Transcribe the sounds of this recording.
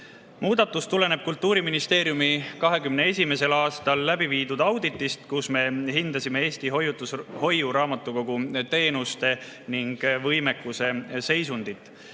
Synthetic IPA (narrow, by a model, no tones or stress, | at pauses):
muːd̪̥ɑt̪ːˑust̪ule̞ne̞b̥̚kult̪ːˑuːɾiminist̪e̞ːɾjumikɑɦe̞kymne̞e̞s̬ʲime̞se̞lɑːst̪ɑlːæbiviːd̪ud̪̥ɑwd̪̥it̪ˑːist̪kusme̞ɦind̪̥ɑsime̞e̞ːst̪iɦojut̪ːˑusho̞juɾɑːmɑt̪ːˑuko̞ɡ̥ut̪e̞ːnust̪e̞niŋɡ̥vɤjme̞kˑːuse̞se̞jsund̪̥it̪ːˑ